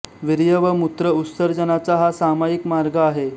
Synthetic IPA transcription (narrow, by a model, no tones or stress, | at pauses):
ʋiɾjəʋəmut̪ɾəusəɾd͡ʑənat͡saɦasamajikmaɾɡaːɦe